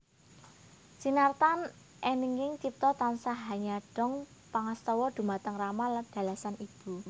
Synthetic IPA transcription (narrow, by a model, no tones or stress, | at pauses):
sinart̪an | ʔɛniŋɪŋt͡ʃip̚t̪ɔt̪ansaɦaɲaɖ̥ɔ̤ŋ | paŋast̪ɔwɔd̪̥ṳmat̪əŋramalɖ̥a̤lasanib̥ṳ